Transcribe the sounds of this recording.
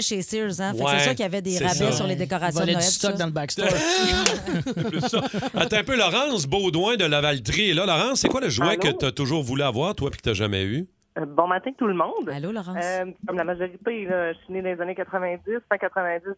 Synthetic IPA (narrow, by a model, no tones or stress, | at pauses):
ʃesɪɹzãwfɛksɛsɛsyʁkʲjavɛd̪eʁabɛsyʁled̪ekɔʁasvɔlẽst̪ɔkd̪ɑ̃ləbakst̪ø | sɛplsɔat̪ɛ̃pølɔʁɑ̃sbod̪wɛ̃d̪əlavalt̪ʁilʌlɔʁɑ̃sːekwaləʒwwɛkət̪yat̪ʊʒuːʁvulyavwaːʁt̪wapi̥kət̪yaʒamɛ̰y | bɔ̃mat̪ɛ̃t̪ulmɔ̃d̪alolɔʁɑ̃kɔmlamaʒɔʁit̪elɔined̪ãezanekat̪χəvɛ̃d͡zɪsvɛ̃kat̪χəvɛ̃d͡zɪs